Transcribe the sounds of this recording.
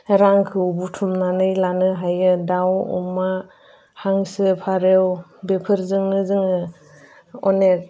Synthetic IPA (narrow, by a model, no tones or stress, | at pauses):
ɾaŋkʰɯbutʰumnanɯjlanɯɦajɯdawṵma | haŋsɯpʰaɾewbepʰɯɾzɯŋnɯzɯŋɯ | ɔnek̚